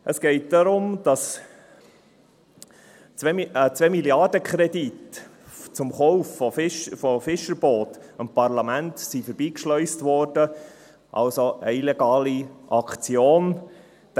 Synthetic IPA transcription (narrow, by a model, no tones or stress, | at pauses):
ʔəsɡ̥ɛɪt̚d̥ɑɾʊmd̥ɑs | t͡sɛt͡sʋɛmiljɑdəkχɾɛdit | t͡sʊmχɔʊfɔfɪʃfɔfɪʃəɾb̥oːt̪ɪmpɑrlɑmæntsifəɾbiːkʃlœʏstʋɔːrd̥ə | ʔɑ̰lsoəilɛɡɑːliʔɑkt͡sioːn